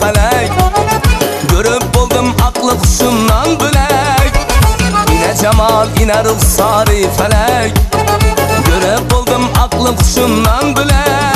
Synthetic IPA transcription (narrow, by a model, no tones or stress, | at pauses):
fælæj | ɡʲɵɾɪp̚bolˠd̪ɨmɑqlˠəqʰʊ̥ʃʊmnɑnbɪlæj | inæd͡ʒɑmɑlˠinæɾʊlsɑɾɨfælæj | ɡʲɵɾɪp̚bolˠd̪ɨmɑqlˠəqʰʊ̥ʃʊmnɑnbɪlæ